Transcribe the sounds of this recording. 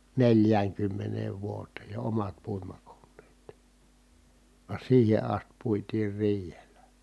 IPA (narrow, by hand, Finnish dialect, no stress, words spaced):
neljæːŋkymːeneːʋ ʋuoteːj jo omɑt puimɑkonːeːt ʋɑ siːhe ɑst puitiːr riːhelæ